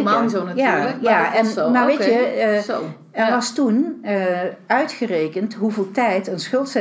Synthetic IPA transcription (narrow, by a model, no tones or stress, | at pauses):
mazonajayːləkjaɛnnaʋejəo | ɛʋɑstun | œɥtχərejkəntɦuvelˠtɛjtənsχɵlˠtsɛ